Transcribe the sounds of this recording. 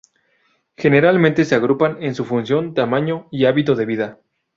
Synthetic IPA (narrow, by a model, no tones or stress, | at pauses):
xe̞ne̞ɾalment̪e̞se̞aɣ̞ɾupane̞nsufunsjo̞nt̪amãɲo̞iaβit̪o̞ðe̞β̞iða